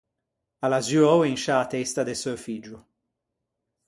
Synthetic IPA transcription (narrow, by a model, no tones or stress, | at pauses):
alazuɔwenʃaːt̪ɛst̪ad̪esøfid͡ʒu